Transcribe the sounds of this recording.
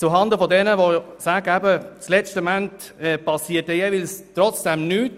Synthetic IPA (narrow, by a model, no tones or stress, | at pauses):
t͡suɦɑnd̪əfɔdɛnəʋosæɡəæbət͡slɛt͡ʃtəmænt | ɛpɑsiːətɛjevilst̪ɾɔt͡sd̥ɛmnyːt